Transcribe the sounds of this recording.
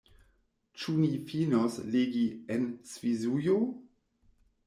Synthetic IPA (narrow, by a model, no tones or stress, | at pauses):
t͡ʃunifinosleɡiɛnsvizujo